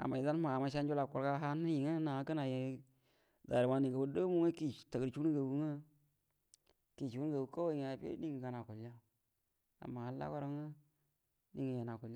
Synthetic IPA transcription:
a̰˨ma˨i˨za˦n˦ma˨a˨ma˨ʃ̬a˦nd͡ʒo˦la˨ku˨ɾka˦ɦa˦n˦ji˨ŋə˦na˨˦kə˦na˨je˨˦ | da˨ɾi˨ma˨ni˨ŋɡə˨bu˦do˦mu˦ŋə˦ki˦˨tə˨ɡə˨ɾt͡ʃu˦n˦ɡə˨wu˦ŋə˦ | ki˨t͡ʃu˨u˦n˦ɡa˨wu˨˦ko˦wŋe˨a˨pḛ˦di˦ŋə˨ɡa˨na˨ku˨la˦ | a̰˨ma˨a˨˦la̰˦ko˦ɾa˦ŋə˦ | ni˦ŋə˨ja˨na˨ku˨l

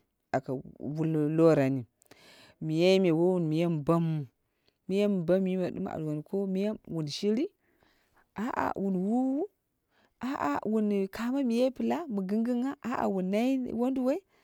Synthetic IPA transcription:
a˨ka˨wu˦llo˦ɾa˨ni˨ | mi˨ja˦i˦me˨wo˦wu˨nmi˨ja˦m˨ba˦mːu˨ | mi˦ja˦m˨ba˦m˦i˦ma˨dṵ˦m˦a̰˨dwa˨n˨ko˦mi˦ja˦wu˨nʃi˦ɾi˦ | a˨˦ʔa̰˨wu˨nwu˦wu˦ | a˦ʔa̰˨wu˨nkʰa˨ma˦mi˨je˦pɨ˨la˦mu˨ɡɨ˦ŋɡi˦ŋa˦ʔa˦a̰˨wu˨nːa˦ji˦wo˦ndu˦we˦i˦

